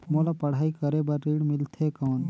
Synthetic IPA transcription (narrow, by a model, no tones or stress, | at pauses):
molapəɽ̤aːjkəɾebaɾːiɽmilt̪ʰekaːn